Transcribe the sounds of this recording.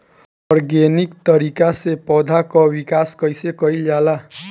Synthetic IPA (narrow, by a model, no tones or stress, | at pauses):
ɔɾɡenikt̪ʌɾikasepɔd̪ʱakɔwikaskʌjsekʌiljala